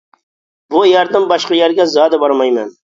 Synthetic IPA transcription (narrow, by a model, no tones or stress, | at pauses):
bʊjɑɾd̪ɪmbɑʃqɑjæɾɡʲɛzɑːd̪ɪbɑɾmɑjmɛn